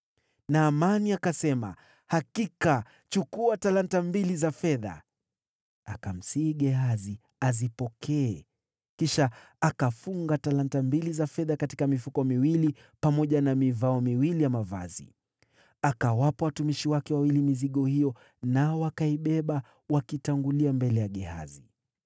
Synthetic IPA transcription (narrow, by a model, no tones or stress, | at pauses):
naːmaniakasɛma̰ | hakika | t͡ʃukuatalantambilizafɛða̰ | akam̩siːɠɛɦazi | azipɔkʰɛɛ | kiʃa | akafuŋɡatalantambilizafɛðakati̥kamifukɔmiwili | pamɔʄanamivaɔmiwilijamava̰zḭ | akawapawatumiʃiwakɛwawilimiziɠɔhijɔ | naɔwakaiɓɛɓa | wakitaŋɡuliambɛlɛjaɠɛha̰zi